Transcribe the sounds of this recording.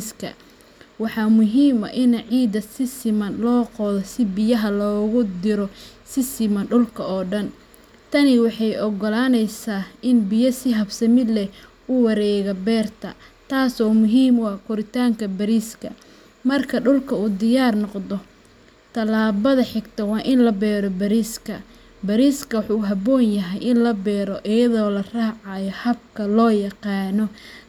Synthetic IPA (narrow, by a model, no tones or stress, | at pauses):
skʰɐ̰ | wɑħɑmʊɦiːmɐ̰ʔɪnɐʕiːd̪ɐsɪsɪmɐnlɔːqɔːðɔsɪbɪjɐɦɐlɔːɣʊd̪ɪɾɔsɪsɪmɐnɖʊlkʰɐɔːɖɐn | t̪ʰɐnɪwɑħɑjʔɔɡɔlaːnɛjsaːɪnbɪjɐsɪɦɐbsɐmɪd̪lɛ | ʊwɑɾɛːɣɐbɛːrt̪ʰɐ̰t̪ʰaːsɔːmʊɦiːmwɑːkʰʊɾɪt̪ʰaːŋkʰɐbɐɾiːskʰɐ̰ | mɐrkʰɐɖʊlkʰɐuːd̪ɪjaːrnɔqd̪ɔ | t̪ʰɐlaːβɐðɐħɪɡt̪ʰɐwɑːʔɪnlɐbɛːɾɔbɐɾiːskʰɐ | bɐɾiːskʰɐwħuɦɐβɔːnjɐɦɛjɪnlɐbɛːɾɔʔɪjɐðɔːlɐraːʕɑjɔhɐb̚kʰɐlɔːjɐqɑːnɔ